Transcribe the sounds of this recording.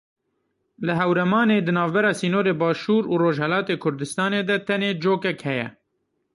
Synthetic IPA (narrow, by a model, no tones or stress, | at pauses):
lɨɦɛwɾɛmɑːneːd̪ɨnɑːvbɛɾɑːsiːnoːɾeːbɑːʃuːɾuːɾoːʒhɛlɑːt̪eːkʰʊɾd̪ɨst̪ɑːneːd̪ɛt̪ɛneːd͡ʒoːkɛkhɛjɛ̰